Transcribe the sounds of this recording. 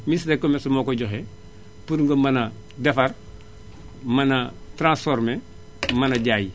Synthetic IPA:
misdekːomesumoːkoɟoxe | puɾŋɡomana | defɐr | manatɾãsfoɾme | manaɟaji

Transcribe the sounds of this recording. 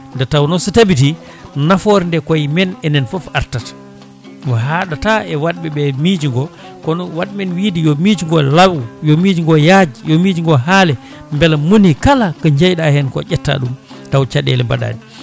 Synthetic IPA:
ndɛtawnɔsɔtabiti | nafoɾindɛkɔjmɛnɛnɛnfɔfa̰ɾtat | waɦaɗataʔɛwaɗ̚ɓɛɓɛmid͡ʒiŋɡɔ | kɔnɔwaɗmɛnwidijɔmid͡ʒiŋɡɔlawjɔmid͡ʒiŋɡɔjad͡ʒijomid͡ʒiŋɡɔɦaːlɛ | mbɛlamunikalakɔɲd͡ʒajɗahɛnkɔ̰ʔɛtːa̰ɗum | tawt͡ʃaɗɛ̰lɛba̰ɗa̰ːni

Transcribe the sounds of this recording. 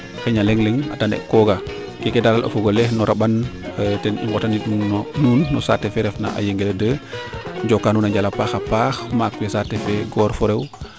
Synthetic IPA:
xɛɲalɛŋlɛŋa̰tanɛ̰kɔɡa | kɛkɛdalalʔa̰foɡolɛhnɔɾʔaɓantɛnḭŋɡɔtaniɗunɔnuːnːɔsatːɛfɛɾɛfna̰ʔa̰jeŋɡeldə | ɲd͡ʒɔkːanuːnaɲɟalapaxapaxmaːkwɛsatːɛfɛɡɔːɾfɔɾew

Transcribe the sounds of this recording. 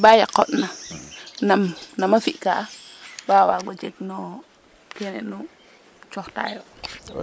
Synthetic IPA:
bajakːɔtnanamnamafiʔkabawaɡɔt͡ʃet͡ʃnɔ | kenɛ̰nu | t͡ʃɔxta̰jɔ

